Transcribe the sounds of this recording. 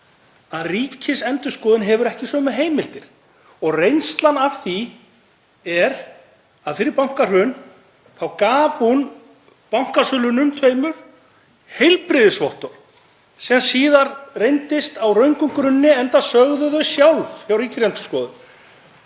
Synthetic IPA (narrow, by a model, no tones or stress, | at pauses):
aðriːcʰɪsɛnt̪ʏskɔːðʏnɦɛvʏɾɛhcɪsœːmʏɦeːjmɪl̥t̪ɪɾ̥ | ɔɣrejnst̪lanav̥θi | ɛɾ | aðfɪɾɪɾpawŋ̥kar̥hʏn | θawkaːv̥hun | pawŋ̥kasʏːlʏnʏmt̪ʰvejmʏɾ̥ | hejlpɾɪðɪsvɔht̪ɔɾ̥ | sɛasiːðaɾrejnt̪ɪst̪awrœɥŋkʏŋkɾʏnːɪɛnt̪asœɣðʏðœsjawlvçawriːcɪsɛnt̪ʏ̥skɔːðʏn